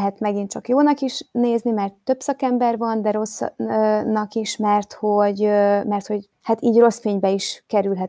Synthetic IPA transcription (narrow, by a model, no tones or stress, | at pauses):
ɦɛt̪mɛɡint͡ʃɒkjoːnɒkiʃneːznimɛrt̪ːø̞bsɒkɛmbɛrvɒnd̪ɛɾo̞s | nɒkiʃmɛrt̪ho̞ɟmɛrt̪ho̞ɟ | hat̪iːɟro̞sfeːɲbɛiʃkɛɾylɦɛt̪